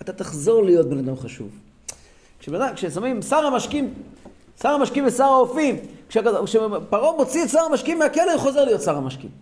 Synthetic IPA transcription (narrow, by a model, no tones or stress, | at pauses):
at̪at̪aχzo̞ʁlijo̞t̪̚benad̪amχaʃṵv | kʃebenadakʃesamimsaʁamaʃkim | saʁamaʃkimvesaʁaofimkʃeʃepaʁomo̞t͡sietsaʁamaʃkimːeakeleuχo̞ze̞ʁlijo̞t̪saʁamaʃkḭm